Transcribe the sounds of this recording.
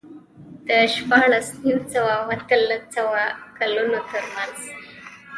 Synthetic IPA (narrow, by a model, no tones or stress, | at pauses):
t̪əɕpaɭəsniwt͡səwawat̪ələt͡səwakəlonot̪əɾmand͡z